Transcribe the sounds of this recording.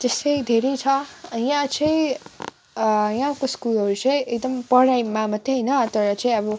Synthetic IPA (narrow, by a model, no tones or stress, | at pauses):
t̪esʌjd̪ʱeɾʌjt͡sʰʌjãt͡sãĩ | jãkoskulʌɾut͡saĩekd̪ʌmpʌɽajmamʌd̪ʱːeɦʌjnʌt̪ʌɾʌt͡sãĩʌbʌ